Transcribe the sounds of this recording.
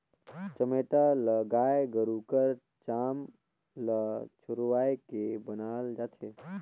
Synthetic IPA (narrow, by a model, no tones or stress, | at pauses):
t͡ʃəmeʈaləɡajɡəɾukəɾ | t͡ʃam | lət͡ʃʰʊɾʋajkebənaːld͡ʒat̪ʰe